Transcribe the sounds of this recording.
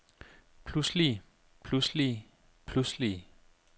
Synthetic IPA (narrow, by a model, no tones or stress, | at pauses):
pʰlusli | pʰlusli | pʰlusli